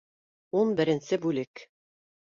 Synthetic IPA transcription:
unbɘ̆ɾɘ̆nsɘbʉlɘk

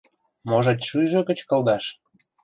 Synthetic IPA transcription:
moʒɑt̪ʲʃyjʒokə̆t͡ɕkə̆ld̪ɑʃ

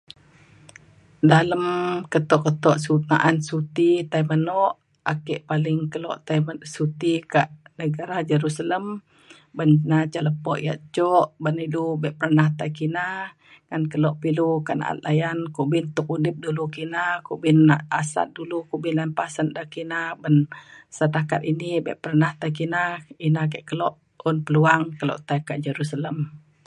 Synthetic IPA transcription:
daləmkət̪ɔʔkət̪ɔʔsunaʔansut̪it̪aimənɔʔ | akɛʔpalɪŋkəlɔ̰ʔt̪asut̪ikaʔnəɡaɾahd͡ʒəɾusaləm | bənnat͡ʃaləpɔʔja̰ʔt͡ʃɔʔbənidubɛʔpəɾanaht̪ajkina | ŋankəlɔʔpilukaʔna̰ʔa̰t̪̚lajankubɪnt̪ʊk̚udɪp̚dulukinakubɪnːaʔasa̰t̪̚dulukubɪnlanpasəndakinabənsət̪akat̪̚inibɛ̰ʔpərnaht̪ajk̬inainak̬ɛʔkəlɔʔ | ʊnpəluaŋkəlɔ̰ʔt̪ajkaʔd͡ʒəɾusaləm

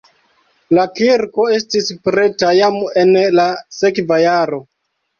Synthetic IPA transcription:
lakiɾko̞e̞stispɾe̞tajamenlase̞kvajaɾo

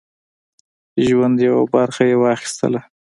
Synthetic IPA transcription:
ʒwand̪jawabaɾxajewɑxɪ̥st̪ə̰la

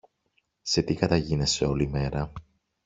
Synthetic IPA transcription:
se̞t̪ikɐt̪ɐʝinese̞o̞lime̞ɾɐ

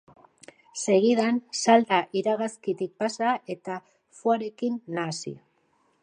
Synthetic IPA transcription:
se̞ɣiðansald̪aʔiɾaɣaskit̪ik̚pasae̞t̪a | fuaɾe̞kinːasḭ

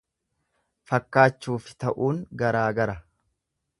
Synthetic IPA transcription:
fɐkːaːt͡ʃːuːfɪ̥t̪ɐʔuːŋɡɐɾaːɡɐɾɐ

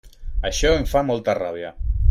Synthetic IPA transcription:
aʃɔeɱfamɔlˠt̪araβ̞ia

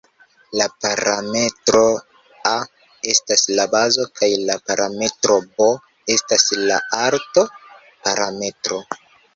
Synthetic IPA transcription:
lapaɾame̞tɾo̞ | a | e̞staslabazo̞kʰajlapaɾame̞tɾo̞bo̞ | e̞stasla̰aɾto̞ | paɾame̞tɾo̞

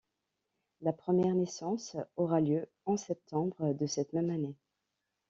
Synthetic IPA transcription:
lapχəmjɛʁnesɑ̃sɔʁaljø | ɑ̃sɛp̚t̪ʰɑ̃bʁəd̪əsɛt̪mɛmane

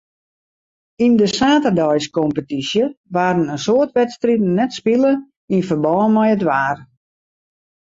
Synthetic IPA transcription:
indəsaːtədɔjskɔmpətisjəʋaːɾənənsoərtʋɛtstritn̩nɛtspilə | infərbɔːnmɛjətʋaːr

